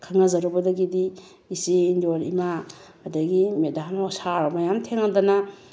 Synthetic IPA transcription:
kʰaŋɐzɐɾubɐdɐɡidi | isiːndoɾḭmaː | daɡimedanɔsaɾmajamtʰeŋadɐnɐ

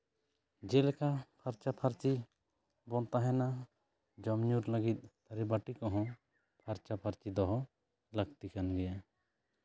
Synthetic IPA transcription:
d͡ʒelɛkapʰaɾt͡ʃapʰaɾt͡ʃi | bɔnt̪aɦɛna | d͡ʒɔmɲuɾləɡit̪̚ˀt̪ʰəɾibaʈikɔɦɔ̃ | pʰaɾt͡ʃapʰaɾt͡ʃid̪ɔɦɔ | ləɡt̪ikanɡɛja

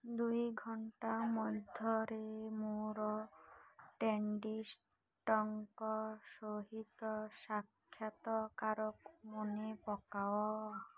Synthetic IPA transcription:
d̪ujɡʱɔɳʈamɔd̪ʱjɔɾemoɾɔ | ʈeɳɖis | ʈɔŋkɔsoɦit̪ɔsakʰːjat̪ɔkaɾɔkmonepɔkawɔ

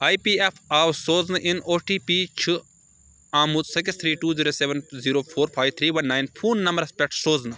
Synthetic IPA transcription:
aːjpiːepʰaːwsoːznɨʔɪnoːʈiːpit͡ʃʰi | aːmut̪sɐk̬ɪst̪ʰɾiːʈuːziːɾoːseʋɐnziːɾoːpʰoːɾpʰaːjʋt̪ʰɾiːʋɐnːaːjnpʰuːnːɐmɐɾɐspʲɛk̚ʈsoːznɨ

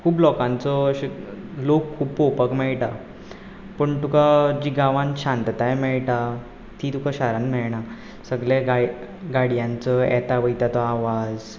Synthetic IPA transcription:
kʰuːplɔkãnt͡sɔɕlokʰːuːbpopəkmɛɭʈa | pəɳt̪ukad͡ʑiɡaʋãnɕãnt̪t̪ajmɛɭʈa | t̪it̪ukaɕaɾãnmɛɭɳa | səɡɭjaɡaɡaɽjãnt͡səɛ̰t̪aʋəjt̪at̪ɔaʋad͡z

